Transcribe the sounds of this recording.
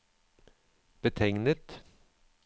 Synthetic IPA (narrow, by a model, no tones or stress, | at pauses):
b̥ət̪ʰɛŋnət̪